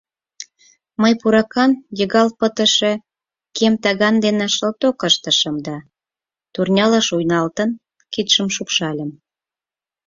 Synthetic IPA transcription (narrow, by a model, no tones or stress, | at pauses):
məjpuɾɑkɑnjəɣɑlpət̪ə̆ʃe | kemt̪ɑɣɑnd̪enɑʃɤlt̪okəʃt̪ə̆ʃəmd̪ɑ | t̪urnʲɑlɑʃujnɑlt̪ə̆n | kit̪ʃəmʃupʃɑlʲə̆m